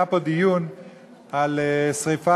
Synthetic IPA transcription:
apod̪ijun | alesʁifa

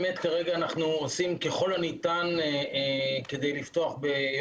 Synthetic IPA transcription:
metkaʁe̞ɡaːnaχnuosimke̞χo̞lanitan | ke̞d̪ejliftoaχbe

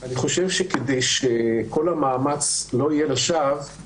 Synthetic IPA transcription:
ʔaniχo̞ʃe̞vʃekedejʃekʰo̞lamaːmat͡slo̞ijelaʃav

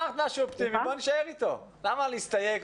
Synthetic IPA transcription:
axt̪maʃuopt̪imiboniʃaeʁit̪o̞lamaleist̪ajek

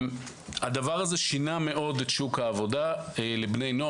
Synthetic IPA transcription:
m | had̪avaʁaze̞ʃiname̞ʔo̞detʃukhaːvo̞dalebne̞jno

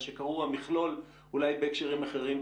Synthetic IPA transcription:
ʃekaʁuamiχlo̞l | ulajbekʃeʁimaχe̞ʁim

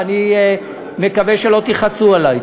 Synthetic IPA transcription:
ani | mekaveʃelo̞t̪iχasualaj

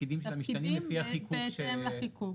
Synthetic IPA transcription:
id̪imʃet̪emiʃanimlefiaχikʰuʃeemlaχiku

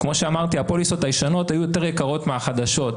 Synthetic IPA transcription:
kmo̞ʃeamaʁt̪iapo̞liso̞tajiʃano̞tajujo̞te̞ʁjekaʁo̞tmeaχad̪aʃo̞t

